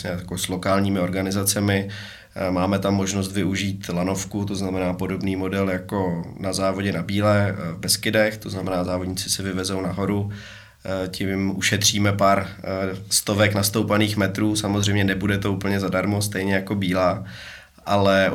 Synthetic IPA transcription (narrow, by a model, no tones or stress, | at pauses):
ɛakoslokaːlɲiːmɪo̞ɾɡanɪzat͡sɛmɪ | maːmɛt̪amːo̞ʒno̞s̬t̪vɪuʒiːt̪lano̞fkut̪̬oznamɛnaːpo̞do̞bniːmo̞dɛljako̞nazaːvoɟɛnabiːlɛvbɛskɪdɛxt̪o̞znamɛnaːzaːvodɲiːt͡sɪ̥sɛvɪvɛzo̞wnaɦo̞ɾu | cɪmʔuʃɛt̪r̝̥iːmɛpaːɾst̪o̞vɛknast̪owpaniːxmɛt̪ɾuːsamozr̝ɛjmɲɛnɛbudɛt̪o̞uːpl̩ɲɛzadaɾmo̞st̪ɛjɲɛjako̞biːlaː | ʔalɛ